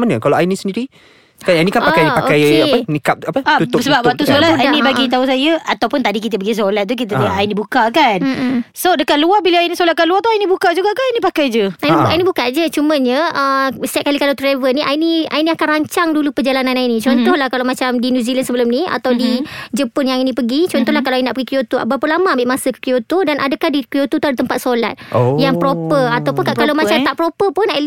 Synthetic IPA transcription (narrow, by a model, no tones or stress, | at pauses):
məɲəkalaainisəndiɾi | kanainikanpaajpaokajeaənikap̚apəaut̪səbap̚wwak̚t̪usolaainĩbaɡit̪̬aus̬ajəat̪awpʊnt̪adik̬it̪̬əbəɡis̬olat̪̚ːuk̬it̪̬əəŋaʔainĩbukakansodəkat̪̚luarbiləainisolat̪̚kanluat̪uainibukaʔ̚d͡ʒuɡakananipakajd͡ʒəajniainĩbukad͡ʒət͡ʃuməɲəəst̪at̪̚kalikalawt̪ɾavənĩʔainia̰iniakanraɲt͡ʃaŋdulupəd͡ʒalanãnainĩt͡ʃɔnt̪ɔhlahkalawmat͡ʃamdinjuzilansəbəlʊmnia̰t̪awdid͡ʒəpʊnjãŋainĩpəɡit͡ʃɔnt̪ɔɦlahkaloajninaʔpəɡikijot̪oa̰bapəlamaːbɪʔmasəkə̥kijot̪odanʔa̰dəkahdikjot̪ut̪uadət̪əmpat̪̚sola̰t̪̚jaŋpɾopəat̪awpʊnkaʔkalawmat͡ʃamt̪aʔpɾopəpʊnaʔl